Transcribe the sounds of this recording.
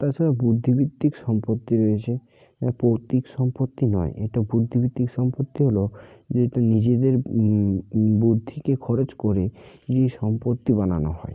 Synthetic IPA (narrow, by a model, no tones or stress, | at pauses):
t̪at͡ɕʰaɾabud̪ʱːibit̪ːikʃɔmpot̪ːiɾoet͡ɕʰe | apowt̪ikʃɔmpot̪ːinɔ̰eʔḛʈabud̪ʱːibit̪ːikʃɔmpot̪ːiɦolod͡ʑeʈanid͡ʑed̪eɾ | bud̪ʱːikekʰɔɾot͡ɕkoɾed͡ʑejʃɔmpot̪ːibana̰no̰ɦɔ̰e